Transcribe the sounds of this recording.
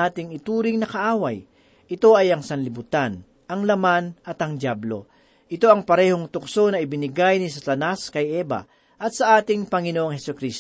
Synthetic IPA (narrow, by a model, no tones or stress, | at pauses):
aːt̪ɪŋɪt̪uːɾɪŋnɐkɐʔaːwɐj | ʔɪt̪o̞ʔɐjɐŋsɐnlɪbʊt̪an | ʔɐŋlɐmanɐt̪ɐŋd̪jablo̞̰ | ʔɪt̪o̞ʔɐŋpɐɾɛːho̞ŋt̪ʊkso̞nɐɪbɪnɪɡajnɪsɐt̪ɐnaskɐjɛbɐ̰ | ʔɐt̪̚sɐʔaːt̪ɪŋpɐŋɪnoʔoŋhɛsʊkɾist̪